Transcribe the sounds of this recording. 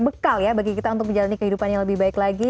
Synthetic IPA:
bəkaljabaɡikit̪aunt̪ʊk̚əɲd͡ʒalanikəɦidupanjaŋləbɪhbaɪklaɡi

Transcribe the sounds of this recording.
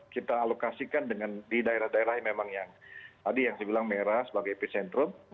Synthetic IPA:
kit̪aːlokasikandəŋandidaeɾahdaeɾahmemaŋjaŋadijaŋsəbilaŋmeɾahsəbaɡajpisɛnt̪ɾʊm

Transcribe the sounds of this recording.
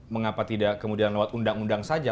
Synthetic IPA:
məŋapat̪idakəmudianlewat̪undaŋundaŋsad͡ʒa

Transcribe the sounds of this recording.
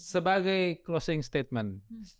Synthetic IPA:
səbaɡajklosɪŋst̪et̪̚mɛn

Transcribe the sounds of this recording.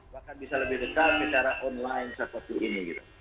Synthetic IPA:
bahkanbisaləbɪhdək̪ap̚sət͡ʃaɾaʔɔnlaɪnsəpət̪uʔiniɡit̪u̥

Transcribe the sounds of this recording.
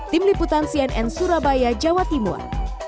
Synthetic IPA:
t̪ɪmliput̪ansiɛnʔɛ̰nsuɾabajad͡ʒawat̪imɔ̰r

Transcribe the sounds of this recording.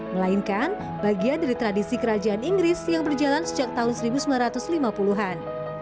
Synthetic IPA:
məlainkan | b̥aɡiandaɾit̪ɾadisikəɾad͡ʒaaniŋɡɾɪsjaŋbərd͡ʒalansəd͡ʒak̚t̪aɦʊnsəɾibusəmilanɾrat̪ʊslimapuluɦan

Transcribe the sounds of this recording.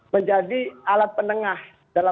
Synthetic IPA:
məɲd͡ʒadialat̪̚pənəŋah | d̥ala

